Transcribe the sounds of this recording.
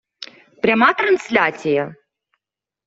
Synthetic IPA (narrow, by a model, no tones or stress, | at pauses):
pɾʲamat̪ɾansʲlʲat͡sʲijɐ